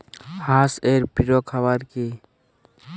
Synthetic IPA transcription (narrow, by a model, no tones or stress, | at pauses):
haseɾpiɾokʰaβaɾki